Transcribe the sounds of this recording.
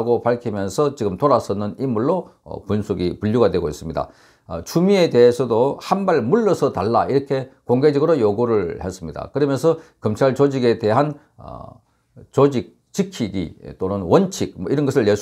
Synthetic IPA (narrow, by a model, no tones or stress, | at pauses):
ɡopaɭkʰimjʌnsʰʌt͡ɕiɡɯmtoɾas͈ʌnɯnimuɭːo̰punsʰuɡipuʎːuɡadwe̞ɡois͈ɯmɲida̰ | t͡ɕumie̞de̞ɦesʰʌdohanbaɭmuɭːʌsʰʌtaɭːa̰iɾʌkʰe̞koŋɡe̞d͡ʑʌɡɯɾojoɡuɾɯɭhe̞s͈ɯmɲida̰kɯɾʌmjʌnsʰʌkʌmt͡ɕʰaɭt͡ɕod͡ʑiɡe̞te̞ɦan | ʌ̰ | t͡ɕod͡ʑik̚ | t͡ɕikʰiɡḭt͈onɯnwʌnt͡ɕʰik̚mʌiɾʌnɡʌsʰɯɭjesʰ